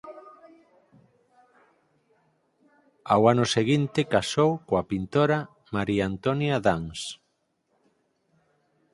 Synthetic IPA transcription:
awanʊseɣint̪ekasowkoapint̪oɾa | maɾiaant̪onjaðaŋs

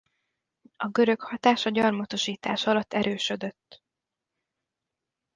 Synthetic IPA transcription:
ɒɡøɾøkhɒt̪aːʃɒɟɒrmɒt̪o̞ʃiːt̪a̰ːʃɒlɒt̪ːɛɾøːʃø̞d̪ø̞t̪ː

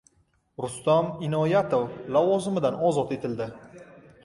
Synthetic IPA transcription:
ɾʊst̪amɪnɒjat̪ʰowlavɒzɪmɪd̪anɒzɒt̪e̞t̪ʰɪld̪ɪ

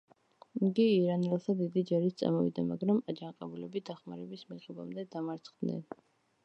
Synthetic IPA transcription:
mɡ̪iːɾanɛlˠt̪ʰad̪id̪id͡ʒaɾit̪t̪sʼa̰mɔvḭd̪amaɡɾamad͡ʒanqʼɛbulɛbid̪aχmaɾɛbismiʁɛba̰md̪ɛd̪amaɾt̪sʰχd̪̥nɛ̰n

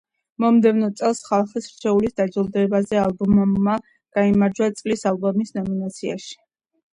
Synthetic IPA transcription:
mɔmd̪ɛvnɔt̪sʼɛlˠsχalˠχisɾ̥t͡ʃʰɛulisd̪ad͡ʒɔlˠd̪ɛbazɛalˠbɔmamːa | ɡ̥aimaɾd͡ʒwat̪sʼlisalˠbɔmisnɔminat̪sʰia̰ʃi̥

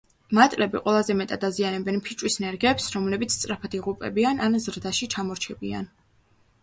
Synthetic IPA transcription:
mat̪ʼlɛbiqʼwɛlˠazɛmɛt̪ʼad̪azianɛbɛnpʰit͡ʃʼwisnɛɾɡɛpsɾɔmlɛbit̪sʰt̪sʼɾapʰat̪iʁupʼɛ̰biananzɾd̪aʃit͡ʃʰamɔɾt͡ʃʰɛbia̰n

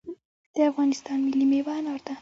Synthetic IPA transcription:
d̪̥əafɣɑnɪst̪ɑnmilːimewanɑɾd̪a

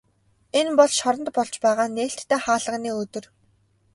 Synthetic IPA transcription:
enpɔɮʃɔɾɞ̆nt̪̚pɔɮt͡ɕpæːʁaːneːɬt̪ʰːæːχaːɮə̆ʁniːɵt̪ɵ̆r

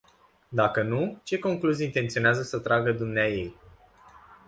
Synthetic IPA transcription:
d̪akənut͡ʃe̞ko̞ŋkluzijint̪e̞nt̪sio̞neazəsət̪ɾaɡəd̪umneaje̞j

